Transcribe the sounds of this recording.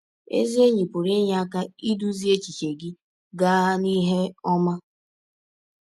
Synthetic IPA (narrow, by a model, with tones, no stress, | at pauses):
ḛ˦zi˦e˦ɲi˨pʊ˨ɾe˦ɲ˨a˦ka˦i˦du˦zi˦e˦t͡ʃi˨t͡ʃe˨ɡɪ˦ | ɡa˦ni˦ɦe˦ɔ˦ma˦